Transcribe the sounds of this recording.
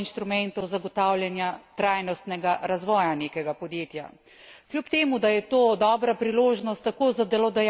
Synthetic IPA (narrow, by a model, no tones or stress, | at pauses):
inʃt̪ɾumɛnt̪ɔwzaɡɔt̪aːwljɛnjat̪ɾaːjnɔst̪nɛɡaɾazʋɔːjaneːkɛɡapɔd̪jeːt̪ja̰ | kljupt̪eːmud̪ajɛt̪oːd̪ɔːbɾapɾiloːʒnɔst̪ːakoːzad̪ɛlɔd̪ɛj